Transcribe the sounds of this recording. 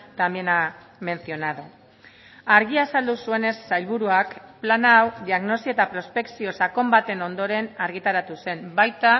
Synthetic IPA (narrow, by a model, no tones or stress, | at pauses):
t̪ambjena | me̞nsio̞naðu | aɾɣiasald̪usue̞ne̞sːajlβuɾuakplanawd̪iaɣno̞siot̪apɾo̞spe̞ksio̞sako̞mbat̪e̞no̞nd̪o̞ɾe̞naɾɣit̪aɾat̪use̞mbajt̪a